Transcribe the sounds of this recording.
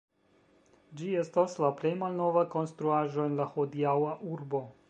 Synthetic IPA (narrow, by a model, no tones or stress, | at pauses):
d͡ʒiestaslaplejmalnovako̞nst̪ɾuaʒo̞enlahod̪iawaʔuɾbo̞